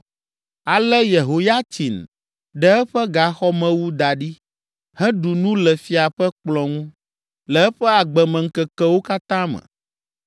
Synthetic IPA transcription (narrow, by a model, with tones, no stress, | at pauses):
a˨lɛ˦je˨ɦo˨ja˦t̪i˨n | ɖɛ˦ɛ˦ɸɛ˦ɡa˨xɔ˦mɛ̃˦wu˦d̪a˨ɖi˦ | hɛ̃˦ɖu˨nũ˦lɛ˨fi˦a˨ɸɛ˦k͡plɔ̃˨ŋũ˦ | lɛ˨˦ɛ˦ɸɛ˦a˨ɡ͡bɛ˨mɛ̃˨ŋ̩˨kɛ˨kɛ˦wo˦ka˦t̪ã˦mɛ̰̃˨